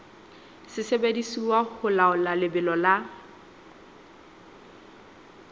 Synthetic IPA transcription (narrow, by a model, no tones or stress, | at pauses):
sɪsebedisiwahʊlaʊlalɪbɪlɔla